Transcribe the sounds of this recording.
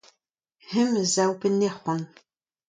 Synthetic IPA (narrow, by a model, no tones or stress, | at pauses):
hɨmzaːwbɨneːχʷɔn